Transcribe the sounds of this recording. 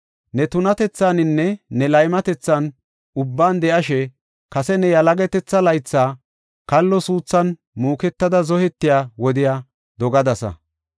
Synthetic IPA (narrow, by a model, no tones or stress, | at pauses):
nɛt̪ʊnɐt̪ɛt͡sːanɪnːɛnɛlɐjmɐt̪ɛt͡sːɐn | ʊbːaːnd̪ɛʔɐʃɛ | kɐsɛnɛjɐlɐɡɛt̪ɛt͡sːɐlɐjt͡sːaː | kɐlːɔsuːt͡sːɐn | muːkɛt̪ːɐd̪ɐzɔhɛt̪ːɪjaːwɔd̪ɪjaː | d̪ɔɡɐd̪ɐsɐ̰